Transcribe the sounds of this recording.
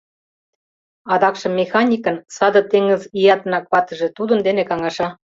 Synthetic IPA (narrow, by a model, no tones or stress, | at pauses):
ɑd̪ɑkʃɤ̆mʲːexɑnʲikə̆nsɑd̪ɤ̆t̪eŋə̆zijɑt̪ə̆nɑk̚pɑt̪ə̆ʒĕt̪ud̪ə̆nd̪enekɑŋɑʃɑ